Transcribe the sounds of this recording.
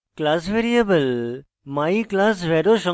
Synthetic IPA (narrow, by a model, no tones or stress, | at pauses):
klaːsʋeɾijɐbəl | maiklaːs̬ʋeɾoʃɔ̃